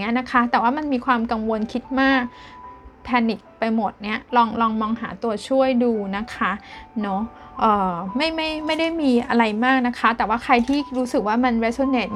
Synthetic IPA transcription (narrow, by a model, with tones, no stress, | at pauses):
i˦˥ɐna˦˥kʰa˦˥t̪ɛː˨˩waː˥˩ma˧nmiː˧kʰwaː˧mka˧ŋwo˧nkʰi˦˥t̪̚maː˥˩k̚ | pʰɛː˧nːi˨˩k̚pa˧jmo˨˩t̪̚ni˦˥ɐlɔː˧ŋlɔː˧ŋmɔː˧ŋɦaː˩˦t̪u˧ɐt͡ɕʰu˥˩əjduː˧na˦˥kʰa˦˥nɔ˦˥ʔɤː˨˩ma˥˩jma˥˩jma˥˩jda˥˩jmiː˧ʔa˧ɾa˧jmaː˥˩k̚na˦˥kʰa˦˥t̪ɛː˨˩waː˥˩kʰɾa˧jt̪ʰiː˥˩ɾuː˦˥sɯ˨˩k̚waː˥˩ma˧nɾe˦˥so˧˥neː˨˩t̪̚